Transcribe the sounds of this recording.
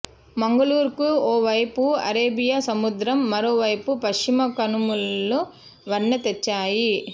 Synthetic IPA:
mɐŋɡɐɭuːɾkɯoːʋɐjpːɯɐ̰ɾeːbɪjaːsɐmʊd̪ɾɐmːɐɾoːʋɐjpːɯpɐʂt͡ʃɪmɐkɐnɯmɯɯ | ʋɐɳːɐt̪ɛt͡ʃːaːji

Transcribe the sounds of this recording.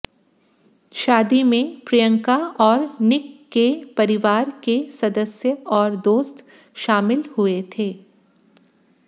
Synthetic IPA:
ʃaːd̪imẽpɾijə̃ŋkaɔːɾnɪkːepɐɾɪʋaːɾkesɐd̪əsjəɔːɾd̪oːst̪ | ʃaːmɪlhuet̪ʰeː

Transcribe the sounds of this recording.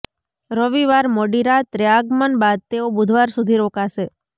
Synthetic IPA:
ɾəʋiʋaɾmɔɖiɾat̪ɾjaɡmənbad̪̚t̪eobʊd̪ʱʋaɾsud̪ʱiɾokaʃe

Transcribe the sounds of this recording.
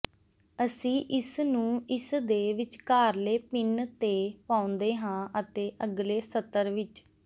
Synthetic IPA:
əsĩːʔɪsnũːɪsd̪eːʋɪt͡ʃkaːɾleːpɪnt̪eːpaːʊ̃nd̪eːɦãːʔət̪eːʔəɡleːsət̪ːəɾʋɪt͡ʃ

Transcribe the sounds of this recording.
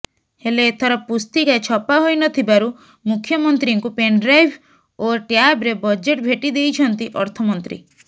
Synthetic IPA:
helet̪ʰɔɾɔpust̪ikaet͡ʃʰɔpaɦojnɔt̪ʰibaɾu | mukʰːjɔmɔnt̪ɾiŋkupeɳɖɾajbʰʱ | oʈjabɾebɔd͡ʒeʈbʱeʈid̪ejt͡ʃʰɔnt̪iʔɔɾt̪ʰɔmɔnt̪ɾḭ

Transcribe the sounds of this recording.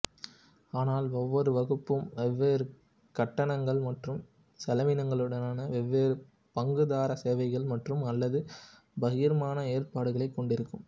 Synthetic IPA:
aːnaːlɔʋːɔɾɯʋɐɣɯpːɯmʋɛʋːeːɾɯ | kɐʈːɐnɐŋɡɐɭmɐʈrɯm | sɛlɐʋɪnɐŋɡɐɭɯɽɐnaːnɐʋɛʋːeːɾɯ | pɐŋɡɯðaːɾɐseːʋɐɪɣɐɭmɐʈrɯmɐlːɐðɯ | bɐɣiɾɐmaːnɐeːrpaːɽɯɣɐɭɐɪkːɔɳɖɪɾɯkːɯm

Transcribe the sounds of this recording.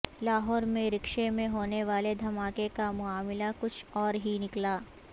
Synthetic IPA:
laːɦɔːɾmẽɾɪkʃemẽɦoːneʋaːled̪ʱɐmaːkekamʊaːmɪlakʊt͡ʃʰɔːɾɦinɪklaː

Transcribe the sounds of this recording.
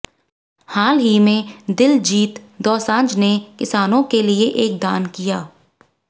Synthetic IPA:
haːlɦimẽd̪ɪld͡ʒiːt̪d̪ɔːsãːɲd͡ʒnekɪsaːnõkelieʔeːk̚d̪aːnkijaː

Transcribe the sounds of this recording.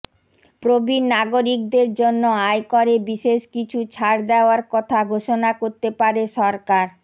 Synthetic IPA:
pɾobʱinaɡoɾik̚d̪eɾd͡ʑonːoajkoɾebiʃeʃkit͡ɕʰut͡ɕʰaɾd̪ɛoaɾkɔt̪ʰaɡʱoʃonakoɾt̪epaɾeʃɔɾkaɾ

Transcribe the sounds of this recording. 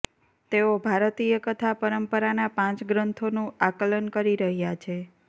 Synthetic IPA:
t̪eobʱaɾt̪ijəkət̪ʰapəɾəmpəɾanapãt͡ʃɡɾənt̪ʰonũakələnkəɾiɾəɦjat͡ʃʰe

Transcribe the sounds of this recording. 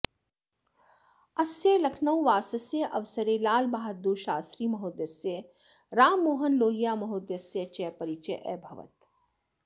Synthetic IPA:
ɐsjelɐkʰnɐwʋaːsɐsjeʔɐʋsəɾelaːlbaːɦɐd̪̚ːuːʃaːst̪ɾiːmɐɦoːd̪jɐsje | ɾaːmːoːɦənloːɦijaːmɐɦoːd̪jɐsjet͡ʃɛːpɐɾit͡ʃeʔɛːbʱɐʋə̰t̪

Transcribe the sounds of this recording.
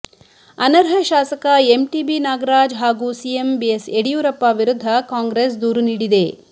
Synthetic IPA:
ɐnɐɾɦɐʃaːsɐkɐemʈiːbinaːɡɐɾaːd͡ʒɦaːɡuːsiembieseɽijuːɾɐpːaːʋiɾud̪ʱːɐkaːŋɡɾesd̪uːɾuniːɽid̪eː

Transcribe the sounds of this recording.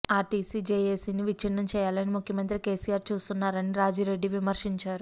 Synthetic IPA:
aːʈisiːd͡ʒeːjeːsiːniʋit͡ʃinːɐmt͡ʃɛːjaːlɐnimukʰjɐmɐnt̪ɾike̞ːsijaːɾt͡ʃuːst̪unːaːɾɐniɾaːd͡ʒiːɾe̞ɖːiʋimɐɾʂiɲt͡ʃaːɾu

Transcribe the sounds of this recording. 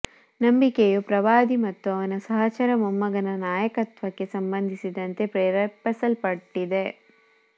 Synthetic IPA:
nɐmbikejupɾɐʋaːd̪imɐt̪ːuɐʋɐnɐsɐɦɐt͡ʃɐɾɐmɐmːɐɡɐnɐnaːjɐkɐt̪ʋɐkːe̞sɐmbɐnd̪ʱisid̪ɐnt̪e̞pɾɛːɾɐpɐsɐlpɐʈːid̪e̞

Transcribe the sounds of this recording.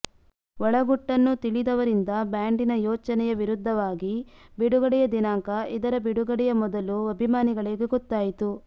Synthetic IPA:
ʋɔɭɐɡuʈːɐnːut̪iɭid̪ɐʋɐɾind̪ɐbjaːɳɖinɐjɔːt͡ʃɐnɛjɐʋiɾud̪ʱːɐʋaːɡibiɽuɡɐɽɛjɐd̪inaːŋkɐid̪ɐɾɐbiɽuɡɐɽɛjɐmɔd̪ɐluɐbʱimaːniɡɐɭeːɡeɡɔt̪ːaːjit̪u

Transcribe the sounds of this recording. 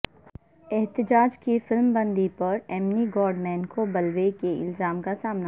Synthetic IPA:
ɛɦt̪ɪd͡ʒaːd͡ʒkifɪlmbɐ̃nd̪ipɐɾɛmniɡɔːɾɖmɛ̃ːnkobɐlʋekeʔɪ̰lzaːmkasaːmna

